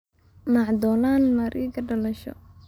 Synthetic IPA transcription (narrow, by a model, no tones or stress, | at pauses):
mɑʕd̪ɔːlaːnmɐɾʔiɡɐɖɐlɐʃɔ̰